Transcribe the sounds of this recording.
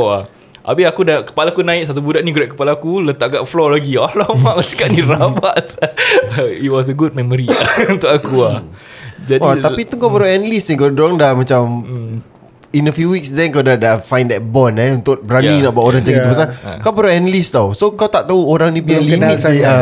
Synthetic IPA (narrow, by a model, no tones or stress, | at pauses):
a | ʔa̰bɪakudakə̥palakunãɪk̚sat̪̬ubudaʔniɡuɾaʔkəpalaːkulət̪aʔɡaʔflɔlaɡiɔlɔmaŋsə̥kaʔniɾabaʔsəitwɔs̬əɡud̚mɛməɾiaunt̪ʊkakua | d͡ʒadiat̪apit̪uŋkawpəɾaɛnəlisnikawdoaŋdahmat͡ʃam | inəfjuwiksdɛnkawdadafãjndɛt̚bɔnɛunt̪ʊk̚bɾaninaʔbaaʔoɾaŋt͡ʃaɡit̪ubəsakawpəɾaɛnəlist̪awsokawt̪aʔt̪auoɾaŋnĩpialimit̪̚sia